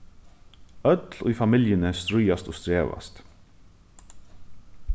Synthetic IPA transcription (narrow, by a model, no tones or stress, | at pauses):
œt̪liːfɑmɪljənɛst̪ɾʏjast̪oːst̪ɾeːʋa̰st̪